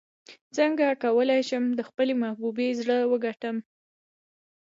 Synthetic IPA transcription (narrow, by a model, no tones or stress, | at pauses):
t͡səŋɡakawəlajʃəmd̪əxpəlemahbubezɽəwəɡaʈəm